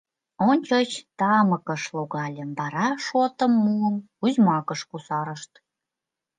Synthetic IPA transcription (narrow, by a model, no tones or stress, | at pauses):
onʲt͡ɕot͡ɕt̪ɑmə̆kə̆ʃloɣɑlʲə̆mbɑɾɑʃot̪ə̆mːuən | uzʲmɑkəʃkusɑɾəʃt̪